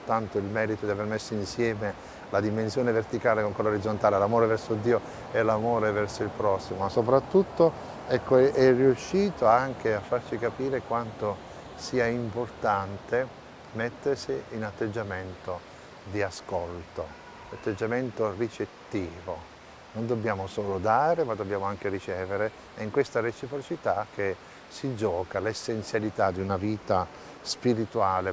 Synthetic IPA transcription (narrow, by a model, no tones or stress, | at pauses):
t̪ːant̪oilmɛːɾit̪od̪iavermesːoinsjɛːme | lad̪imensjoːnevert̪ikaːlekoŋkwɛlːoɾid̪zːont̪aːlelamoːɾevɛrsod̪ːiːo | ɛlamoːɾevɛrsoilpɾɔsːimoasːopɾat̪ːut̪ːo | ɛkːoɛʔɛrːiuʃːiːt̪oaŋk̟eafːart͡ʃikapiːɾekwant̪o | siːaimport̪ant̪e | mɛt̪ːersiːnat̪ːed͡ʒːament̪o | d̪iaskolt̪o | lat̪ːed͡ʒːament̪orit͡ʃet̪ːiːvo | nond̪obːjaːmosoːlod̪aːɾemad̪obːjaːmoaŋk̟eɾit͡ʃɛːveɾe | ɛiŋkwest̪aret͡ʃipɾot͡ʃit̪ak̟ːe | sid͡ʒɔːkalesːent̪sjalit̪ad̪iunaviːt̪a | spiɾit̪uaːle